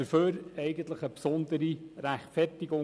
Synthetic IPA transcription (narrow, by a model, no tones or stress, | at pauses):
əføːɾɛɪɡən̩t̪ləχəpsɔnd̪əɾiɾæχtfɛrtɪɡʊ